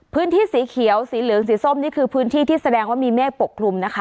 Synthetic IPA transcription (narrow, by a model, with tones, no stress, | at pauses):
pʰɯː˦˥nt̪ʰiː˥˩siː˩˦kʰi˩˦əwsiː˩˦lɯː˨˩˦ŋsiː˨˩˦so˥˩mniː˥˩kʰɯː˧pʰɯː˦˥nt̪ʰiː˥˩t̪iː˥˩sa˧dɛː˧ŋwaː˥˩miː˧mɛː˥˩po˨˩kʰːlu˧mna˦˥kʰa˦˥